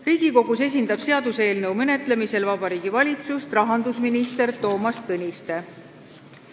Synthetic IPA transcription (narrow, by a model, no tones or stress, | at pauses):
riːɡ̥iko̞ɡ̥use̞s̬ʲind̪ɑb̥se̞ɑd̪use̞ːlnɤwmene̞t̪ˑle̞mise̞lvɑbɑɾiːɡ̥ivɑlʲit̪sust̪rɑɦɑnd̪usminist̪e̞rt̪o̞ːmɑst̪ɤnʲist̪e̞